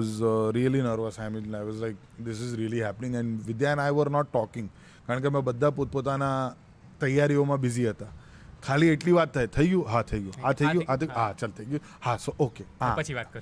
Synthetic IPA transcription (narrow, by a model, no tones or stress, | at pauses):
ɔzɾiəlinəɾʋəsaɪmɪnajʋɔzlaɪk̚ | d̪ɪsɪzɾiəliɦæpənɪ̃ŋɡɛ̃nɖʋɪd̪janajʋəɾnɔʈːɔkɪ̃ŋɡ | kaɾə̃ɳk̬emãbəd̪ʱːapot̪̚pot̪ana | t̪əjaɾiomãbɪziɦət̪a | kʰalieʈliʋat̪ʰːajt̪ʰəiɡjũɦat̪ʰəiɡjũat̪ʰəiɡjũat̪ʰɦat͡ʃəlt̪ʰəiɡjũ | hasoʔokeɦãət͡ʃʰiʋat̪̚kəɾ